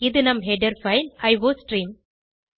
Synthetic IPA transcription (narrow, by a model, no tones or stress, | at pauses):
ɪðɯnɐmɦɛɖɐɾfɐɪlɐɪʋoːsʈɾiːm